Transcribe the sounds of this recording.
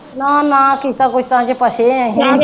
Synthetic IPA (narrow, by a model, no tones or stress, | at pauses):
nãːnãːkiːt̪aːkʊt͡ʃʰt̪əãːt͡ʃepəseɛ̃ːɦĩ